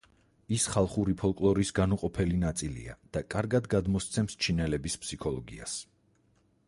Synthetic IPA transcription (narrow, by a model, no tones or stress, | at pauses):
isχalˠχuɾipʰɔlˠkʼlˠɔɾisɡanuqʼɔpʰɛlinat̪sʼilḭad̪̥akʼaɾɡad̪ɡad̪mɔst̪sʰɛmst͡ʃʰinɛlɛbispʰsikʰɔlˠɔɡḭa̰s